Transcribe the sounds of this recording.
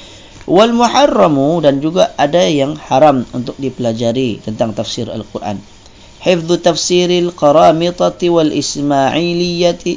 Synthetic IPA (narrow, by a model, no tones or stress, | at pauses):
walmuħarːɑmudand͡ʒuɡaʔadajaŋħaɾamṵnt̪ʊk̚dipəlad͡ʒaɾit̪ənt̪aŋt̪afsiɾa̰lkurʔa̰n | ħɪfðut̪afsiɾalqɑɾɑmɪt̪ˤɑt̪iwalʔɪsmaʕilijat̪i